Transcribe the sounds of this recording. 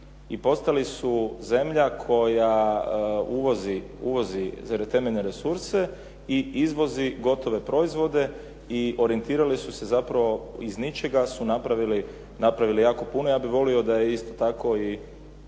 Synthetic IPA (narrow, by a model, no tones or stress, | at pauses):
ipo̞st̪alisuze̞mʎakʰo̞ja | uʋo̞ziuʋo̞zizaɾet̪e̞meʎneɾe̞suɾse̞ | iizʋo̞ziɡo̞t̪o̞ʋe̞pɾo̞izʋo̞d̪e̞ | iʔo̞ɾie̞nt̪iːɾalisuse̞zapɾaʋo̞iznit͡ʃe̞ɡasunapɾaʋili | napɾaʋilijaːko̞puno̞jaːbiʋo̞lio̞d̪ajeist̪ot̪ako̞i